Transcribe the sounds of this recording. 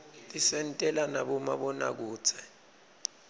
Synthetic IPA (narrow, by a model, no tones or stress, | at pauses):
tʼisɛntʼɛlanaɓɔma̰ɓɔna̰k̬uːt͡sʰɛ̥